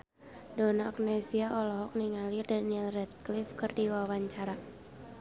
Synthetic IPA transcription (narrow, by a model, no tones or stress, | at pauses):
donaːk̚nɛsiaʔɔlɔɦɔk̚niŋalirdaniɛlrɛt̪̚klifkɨrdiwawaɲt͡ʃaɾa